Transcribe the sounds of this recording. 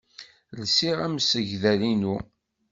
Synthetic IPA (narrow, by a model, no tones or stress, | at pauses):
lsiʁæmsəʝðælinu